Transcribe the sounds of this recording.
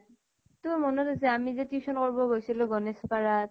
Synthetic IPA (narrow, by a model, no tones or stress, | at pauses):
tomɔnɔtas̬ɛamizɛtiusɔnkɔɹbɔɡojsilʊɡɔnɛspaɹat̚